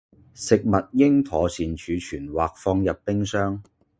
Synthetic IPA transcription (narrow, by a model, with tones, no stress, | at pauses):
sɪ˨k̚mɐ˨t̚jɪ˥ŋt̪ʰɔː˨˧siː˨nt͡ʃʰyː˨˧t͡ʃʰyː˨˩nwaː˨k̚fɔː˧ŋjɐ˨pːɪ˥ŋsœː˥ŋ